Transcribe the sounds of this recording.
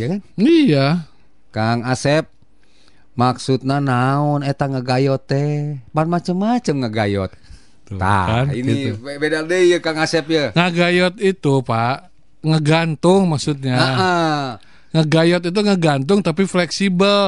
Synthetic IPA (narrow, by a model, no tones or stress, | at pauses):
jakanija | kaŋasɛp̚ | maksut̪̚nanaɔnet̪aŋəɡajɔt̪ːɛpanmat͡ʃəmːat͡ʃəmŋəɡa̰jɔ̰t̪̚ | t̪ːa̰anḭnebedadəjəkaŋasɛp̚jəŋaɡajɔt̪it̪upaʔ | ŋəɡant̪uŋmaksut̪̚ɲaaə | ŋəɡajɔt̪it̪̬uŋəɡant̪̬uŋt̪apiflɛksibəl